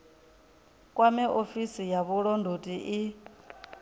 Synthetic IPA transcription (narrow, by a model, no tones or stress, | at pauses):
kʼwamiʔofisijaβuɺɔndʱotʼiʔi